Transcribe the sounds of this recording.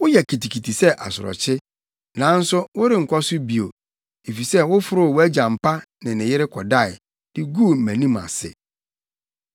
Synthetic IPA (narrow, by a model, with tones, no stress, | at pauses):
wʊ˦jɛ˨kʰi˨ti˨kʰi˨tʰi˨sɛ˦ʔa˨sʊ̰˨ɾɔ̰˨t͡ɕʰɪ˦ | nãː˨˦n̩˦sʊ˦wʊ˦ɾɪ˨ŋ̩˨kʷʰɔ˦sʊ˦bi˨o˨ | e˨fi˨sɛ˦wʊ˦fʊ˨˦ɾʊ˦˨wæ˦d͡ʑã˨m̩˨pʰa˦ | nɪ̃˨nɪ̃˨jɪ˦ɾɪ˦kʰɔ˨da˦˨ɪ˨ | d̥ɪ˦ɡu˦˨mæ̃˨nĩ˦ma̰˨sɪ̰˨